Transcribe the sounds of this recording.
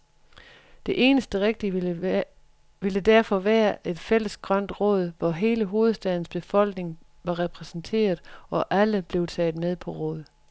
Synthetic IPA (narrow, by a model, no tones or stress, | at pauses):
d̥e̝ʔe̝ːnəsd̥əʁeɡ̥̚d̥i | ʋeləd̥æɐfɒ̽ʋæːɐʔe̝d̥fel̰əsɡ̥ʁɶn̰d̥ʁɔ̰̽ːð̞ˠʋɒɦe̝ːləɦo̝ːð̞̩ˠsd̥ɛð̞ˠn̩sb̥e̝fɒ̽l̰ɡ̥ne̝ŋ | ʋɑ̈ʁɛpʰʁɛsn̩t͡sʰe̝̰ːɐðˠɒ̽ʔæləb̥le̝ʊt͡sʰɛ̰ːð̩ˠmeð̞ˠpʰɒ̽ʁɔ̰̽ːð̞̩ˠ